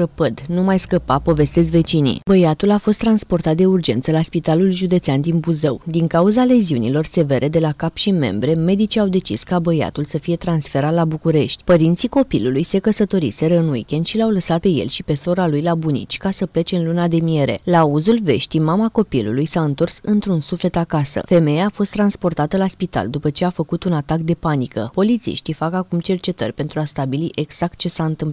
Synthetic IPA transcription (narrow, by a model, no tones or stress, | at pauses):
ɾəpəd̪numajskəpapo̞ve̞st̪e̞z̬ve̞t͡ʃinḭbəjat̪ulafo̞st̪ːɾanspo̞rt̪at̪̚d̪e̞urd͡ʒe̞̰nt̪səlaspit̪alulʒud̪e̞t̪seand̪inbuzəwd̪iŋkauzale̞ziunilo̞rse̞ve̞ɾʔe̞d̪e̞lakapʃime̞̰mbɾe̞me̞d̪it͡ʃiawd̪e̞t͡ʃḭskabəja̰t̪ulsəfije̞t̪ɾansfe̞ɾat̪labukuɾeʃt̪ʲpəɾint̪siko̞pilulujse̞kəsət̪o̞ɾḭse̞ɾəɨnwḭkʲend̪ʃilawləsat̪̚pe̞je̞̰lʃipe̞so̞ɾalujlabunḭt͡ʃʲkasəplet͡ʃe̞ɨnlunad̪e̞mie̞ɾe̞̰lauzulve̞̰ʃt̪imamako̞pilṵlujsaɨnt̪o̞rsɨnt̪ɾunsufle̞t̪akasə̰fe̞me̞jaːfo̞st̪ːɾanspo̞rt̪at̪əlaspit̪a̰ld̪upət͡ʃe̞afəkut̪unat̪akd̪e̞panikə̰po̞lit̪sḭʃt̪ifakakumt͡ʃe̞rt͡ʃe̞t̪ərʲpe̞nt̪ɾuast̪abiliʔe̞ɡz̥ak̚t̪̚t͡ʃe̞saɨnt̪ɨmp